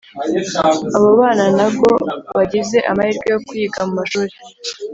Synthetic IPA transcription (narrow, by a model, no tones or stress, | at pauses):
aβoβaːnanabɡo̞βaɟize̞ʔa̰mahiːɾɡejo̞kuiːɡamumaʃuːɾe